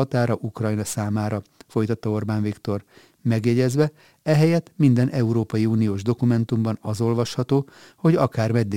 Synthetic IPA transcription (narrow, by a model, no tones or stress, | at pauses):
ɒt̪aːɾɒʔukrɒjnɒsaːmaːɾɒfo̞jt̪ɒt̪ːɒo̞rbaːnvikt̪o̞r | mɛɡjɛɟɛzʋɛ | ɛɦɛjɛt̪ːmind̪ɛnʔɛuɾoːpɒjiuːnijoːʒd̪o̞kumɛnt̪umbɒnɒzo̞lvɒʃhɒt̪oː | ho̞ɟɒkaːrmɛd̪ːe